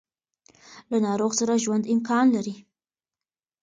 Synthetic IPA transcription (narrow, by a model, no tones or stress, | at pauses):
lanɑɾoɣsaɾaʒwand̪ɪmkɑnlaɾi